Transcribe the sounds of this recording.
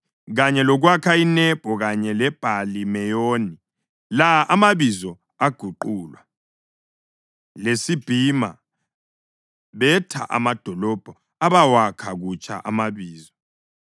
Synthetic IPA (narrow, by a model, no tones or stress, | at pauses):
ɣaɲɛlɔɣwakʰainɛb̥ʱɔɣaɲɛlɛb̥ʱalimɛjoːni | laʔamaβizɔ | aɡ̥ʱuǃuːlwa | lesib̥ʱima̰ | βɛtʰa̰ʔa̰mad̥ʱɔlɔb̥ʱɔ | aβawakʰaɣut͡ʃʼa̰ʔamaβiːzɔ